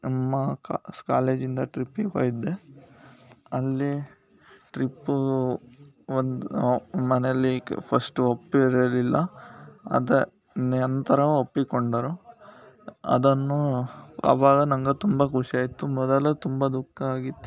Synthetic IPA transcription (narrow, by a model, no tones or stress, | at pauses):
nɐmːɐkskaːleːd͡ʒind̪ɐʈɾipːiko̰ːjid̪ːe | ɐlːi | ʈɾipːu | ond̪mɐnɛjɐlːipʰɐsʈuopːiɾɐlilːɐ | ɐ̰d̪e | nɐnt̪ɐɾɐʋopːikoɳɖɐɾu | ɐ̰d̪ɐnːuɐ̰ʋaːɡɐnɐŋɡɐt̪umbɐkuʂiaːjit̪ːumɔd̪ɐlɐt̪umbɐd̪ukːɐaːɡit̪ːu